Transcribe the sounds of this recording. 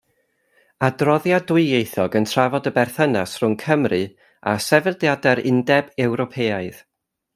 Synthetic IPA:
adrɔðjadʊɨjejθɔɡəntʰravɔdəbɛrθənasr̥ʊŋkʰəmrɨ | a̰sɛvɛldjadɛɾɪndɛbɛwɾɔpʰeːaɨð

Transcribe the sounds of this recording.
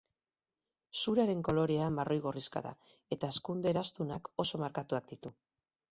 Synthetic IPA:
suɾaɾe̞ŋko̞lo̞ɾeambaro̞jɣoriska̰ða̰e̞t̪aeskund̪eɾast̪unako̞so̞maɾkat̪uak̚d̪it̪u

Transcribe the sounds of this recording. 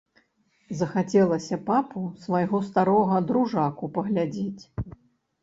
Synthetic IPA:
zɐxat͡sʲɛlˠɐsʲɐpapusvajɣɔst̪aɾɔɣɐd̪ɾuʐakupɐɣlʲad͡zʲet͡sʲ

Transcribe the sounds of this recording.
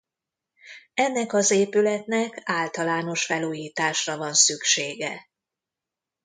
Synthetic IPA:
ɛnːɛkɒzeːpylɛt̪nɛkaːlt̪ɒlaːno̞ʃfɛluːjiːt̪aːʃrɒvɒnsykʃeːɡɛ̰

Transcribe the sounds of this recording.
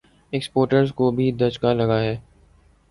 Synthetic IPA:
ekspoːɾʈəɾzkobʱid̪ɐd͡ʒkalɐɡaɦɛː

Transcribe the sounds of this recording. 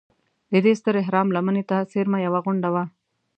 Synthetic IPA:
d̪əd̪est̪əɾɪɦɾɑmlamənet̪aseɾmajawaɣʊɳɖawa

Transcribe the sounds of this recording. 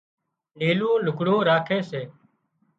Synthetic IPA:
niːlũːlʊkɽõːɾaːkʰeːseː

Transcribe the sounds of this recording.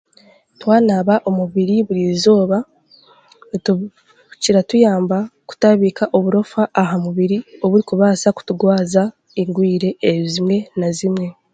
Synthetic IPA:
twaːnaβaʔo̞muβiɾiβuɾizo̞ːβa | ciɾatujaːmbaku̥taβiːkaʔoβuɾo̞faʔːɦamuβiɾio̞βuɾikuβaːsaku̥tuɡwaːza | iŋɡwiːɾe̞ːzimŋe̞nazimŋe̞

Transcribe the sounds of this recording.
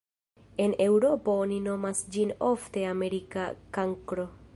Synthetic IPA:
e̞ne̞wɾo̞po̞onino̞masd͡ʒino̞fte̞ame̞ɾikakaŋkɾo̞

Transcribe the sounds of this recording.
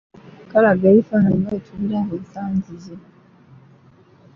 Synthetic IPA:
kalaɡeːɾifananɡaetʰuβiɾaɦesaːnzize

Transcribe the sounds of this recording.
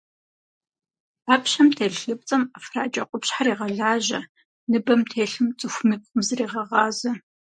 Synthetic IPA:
aːpɕɐmtʰeːɮɬɨp̚t͡sʼɐmɐfra̰ːt͡ʃʼɐqʷʼʊpɕħariːʁɐɮaːʑɐ | nɨbɐmtʰeːɬɨmt͡sʼɨxʷmɨkʷʼʊmzɨriːʁɐʁɑːzɐ

